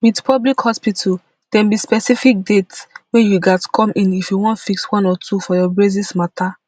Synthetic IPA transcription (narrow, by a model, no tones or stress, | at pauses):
witpʰɔblikhɔspitʰal | d̥ɛ̃mbispɛsifik̚detwejuɡatkʰɔ̃mĩnifjuwɔ̃ntfikswɔ̃nɔtʰufɔjɔbɹezismata